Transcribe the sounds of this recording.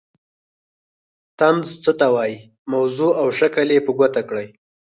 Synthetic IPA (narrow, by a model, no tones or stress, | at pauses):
t̪amzt͡sət̪awɑji | mawzuawʃakalepəɡʷat̪akɽəj